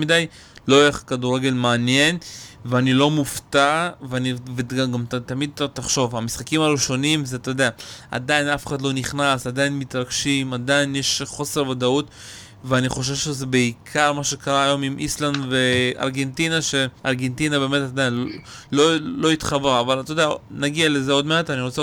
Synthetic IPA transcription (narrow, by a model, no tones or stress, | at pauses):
midaj | lojeχkaduʁeɡe̞lmaːnje̞nveanilo̞muft̪aveaniveaɡamt̪amid̪̚t̪aχʃo̞vamisχakimaluʃo̞nimzet̪od̪eaa̰dainafeχad̪lo̞niχnasad̪ajinmit̪ʁaɡʃimad̪ainjeʃχo̞se̞ʁvod̪aut̪ | veaniχo̞ʃ̬e̞vʃezebeikʰaʁmaʃe̞kaʁaːjo̞mimʔislandve̞a̰ʁɡe̞ntinaʃe̞ʔa̰ʁɡe̞ntinabeːme̞tad̪ajinlo | lolo̞it̪χabeʁavalt̪od̪eanaɡiale̞zeo̞d̪meat̪aniʁot͡se